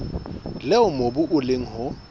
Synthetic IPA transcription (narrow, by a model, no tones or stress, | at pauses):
lɛʊmobʊʔʊleŋ̩hʊ